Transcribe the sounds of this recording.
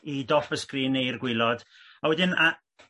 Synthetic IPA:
idɔfəskriːnejrɡwɪlˠɔd̥ | awɛdɪna

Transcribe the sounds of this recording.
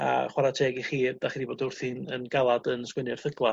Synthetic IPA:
a̰χwaɾatʰeːɡiχiːrd̥aχiːdiboːdʊrθinənɡalˠadənskwənrθəɡlˠa

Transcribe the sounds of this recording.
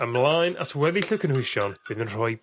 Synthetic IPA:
əmlˠajna̰tʰwɛðiɬəkʰənhʊʃjɔnb̥ɨðənr̥ɔj

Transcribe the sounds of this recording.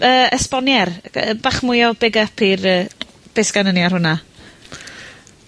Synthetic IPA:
əːəspɔnjɛrəbaχmʊjɔbɪɡəpʰirəː | b̥esɡ̥anənjarhʊna

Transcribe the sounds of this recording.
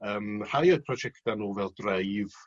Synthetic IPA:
əːmr̥ajəpʰrɔd͡ʒɛktanoːvɛlˠdrejð

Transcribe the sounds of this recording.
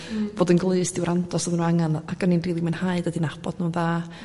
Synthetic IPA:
b̥oːdənɡlˠɨɨsd̥ɪwɾʔandʰɔsɔðnuaŋanaɡ̥ɔninriːlˠimanhaɨdədinab̥ɔd̥nuːnðaː

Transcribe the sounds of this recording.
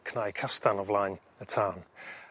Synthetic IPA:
kʰnajkʰastanɔvlajn | ətʰaːn

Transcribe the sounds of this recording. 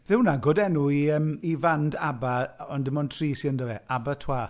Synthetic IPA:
ðɪwnaɡoːdɛnuiəmivandabaɔndɪmɔntʰr̥iːsiəndɔvɛʔabatʰwaː

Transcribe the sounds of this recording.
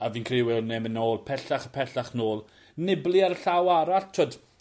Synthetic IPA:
aviːnkʰrɪwɪlˠnemənoːlˠpʰɛɬaχapʰɛɬaχnoːlˠ | nɪblˠɪaɾəɬawaɾaɬtʰoːd

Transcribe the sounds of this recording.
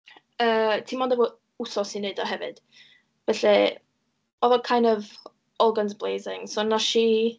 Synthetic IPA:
əːtʰiːmɔndɛvɔ | usɔsineɨdɔɦɛvɨ̰d̥ | b̥ɛɬɛ | ɔðɔkʰajndɔv | ɔlˠɡanzblˠejzɪŋsonaʃi

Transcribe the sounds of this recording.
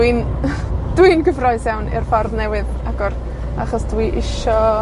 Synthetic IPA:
ɨn | d̥winɡəvrɔɨsjawnɪ̰rfɔrðnɛwɨð | aɡɔr | aχɔsd̥wiʔɪʃɔ

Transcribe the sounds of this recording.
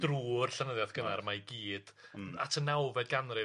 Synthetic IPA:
d̥ruːrɬanəðjaðɡ̥ənarmajɡiːd̥atʰənawvɛd̚ɡanrɨ

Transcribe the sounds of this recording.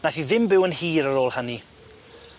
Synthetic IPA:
naθiðɪmbɪwənhiːɾəɾoːlˠhani

